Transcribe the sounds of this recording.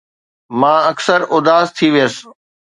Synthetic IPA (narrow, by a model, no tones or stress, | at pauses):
mãːɐksəɾʔʊd̪aːzt̪ʰiʋijəs